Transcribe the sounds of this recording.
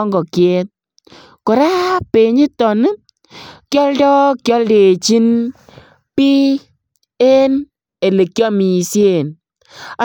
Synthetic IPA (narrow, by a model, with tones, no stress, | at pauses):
ŋɡɔ˨kje˦t̪̚ | ko˨ɾa˦pe˨ɲi˦tɔ˨nɨ˦ | kjɔ˦ldɔ˦kjɔ˦lde˨t͡ʃi˦n | pi˦ | e˦n | e˨le˨kjɔ˦mi˨sje˦˨n | a˨